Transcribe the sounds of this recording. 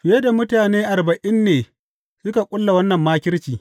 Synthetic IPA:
ɸɪ˨je˦da˨mʊ˦taː˨neː˦ʔa˨rbɐ˨ʔɪ˦nːeː˨ | sʊ˦ka˨kʷʼʊ˦lːa˨wɐ˦nːɐ˨mːaː˦kʲɪ˦rt͡ʃiː˨

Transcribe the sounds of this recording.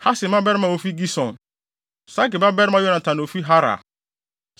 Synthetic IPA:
ha˦sɪ̃˨mã˦bɛ˦ɾɪ˦mã˨o˨fi˦ɡi˦sɔ̃˨n | sa˦kɪ˨ba˦bɛ˦ɾã˦jɔ˦nã˨tʰã˨n˨o˨fi˦ɦa˦ɾa̰˨

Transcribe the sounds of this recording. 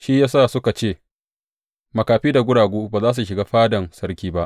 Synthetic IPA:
ʃi˦jaː˦saː˦˨sʊ˦ka˨t͡ʃeː˦˨ | mɐ˨kaː˨ɸiː˦da˨ɡʷʊ˦ɽaː˨ɡʷuː˦baː˨zaː˦s̬u˨ʃɪ˨ɡaː˦ɸaː˦dɐ˨nsɐ˦ɽkʲiː˦ba˦ʔ

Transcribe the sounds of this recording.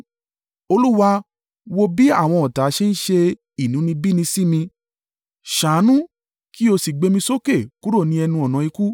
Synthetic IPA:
o˧lu˦wa˧ | wo˧bi˦a˦˨w̃ɔ̃˧ɔ˨ta˨˦ʃe˦n̩˦ʃe˧ | i˨nũ˨˦nĩ˧bi˦nĩ˧si˦mĩ˧ | ʃã˨˦nũ˦ | ki˦o˧si˨ɡ͡be˨˧mĩ˧so˦ke˦˨ku˨˦ɾo˦˨nĩ˧ɛ˧nũ˧ɔ˨nã˨˦i˧ku˦

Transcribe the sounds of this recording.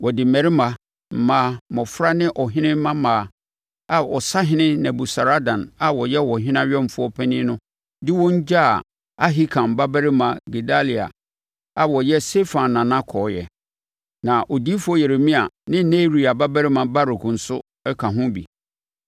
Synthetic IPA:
wɔ˨dɪ˨mɛ˨ɾɪ˦mã˨ | m̩˨mãː˦mɔ̃˨fɾa˦nɪ̃˦ʔɔ˨ɦɪ̃˦nɪ̃˦m˦mã˦mãː˨ | a˨ɔ˨sa˦ɦɪ̃˦nɪ̃˦nɛ̃˨bu˨sa˨ɾa˦dã˨na˨wɔ˨jɛ˦wɔ˨ɦɪ̃˦n˦ã˦ɥɛ˦m˨fʊ˦ɔ˦pʰɛ˦nɪ̃˦nʊ̃˦ | dɪ˦wɔ̃˦ɲ˦d͡ʑa˦˨ | a˦ɦi˦kʰã˨m˨ba˦bæ˦ɾɪ˦mã˨ɡe˨da˦li˨a̰˨ | a˨wɔ˨jɛ˦se˦fã˨nːã˨nã˦kʰɔː˨jɛ̰˨ | nã˨ʔo˨di˦fʊ˦ɔ˦je˨ɾe˨mĩ˦a˨nɪ̃˦ne˦ɾi˨a˨ba˦bæ˦ɾɪ˦mã˨ba˦ɾʊ˨kʰʊ̃˨n̩˨˦sʊ˦ | ɛ˦kʰã˨ɦʊ̃˦bḭ˨

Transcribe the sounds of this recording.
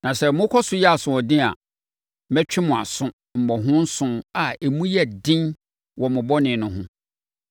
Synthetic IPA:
nã˨sɛ˨mʊ̃˦kʰɔ˦sʊ˦jɛ˦a˨sʊ̃˨ɔ˨dɪ̃˦a̰˨ | mɛ˦t͡ɕᶣɪ˦mʊ̃˨a̰˨sʊ̃˦ | m̩˨mɔ˨ɦʊ̃˦n̩˦sʊ̃˦ma˨e˨mũ˦jɛ˦dɪ̃˦n | wɔ˨mʊ̃˨bɔ˦nɪ̃˨nʊ̃˨ɦʊ̃˦

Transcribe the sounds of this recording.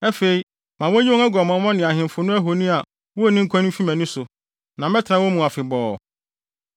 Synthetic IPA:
ɛ˦fe˨i˦ | mã˨wɔ˦ɲĩ˦õ˦ɛ˦ɡɔ˨mɔ̃˨˦mɔ̃˦nɪ̃˨a˨ɦɪ̃˨m˨fʊ˨nʊ̃˦æ˦ɦo˨nĩ˦a˨ | wo˦˨nɪ̃˦ŋ̩˦kʷʰɔ̃˦ñ̩˦fi˦mæ̃˨nʊ̃˦sʊ˨ | nã˨m˦ɛ̃˦tʰɾã˦wɔ˦mũ˨a˨fɪ˨bɔː˨

